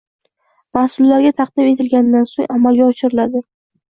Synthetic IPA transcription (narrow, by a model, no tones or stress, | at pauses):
mahsʊlːaɾɡʲat̪ʰaq̚d̪ɪme̞t̪ʰɪlɡʲanɪd̪ansoŋʔamalɡʲaɒʃɪɾɪlad̪ɪ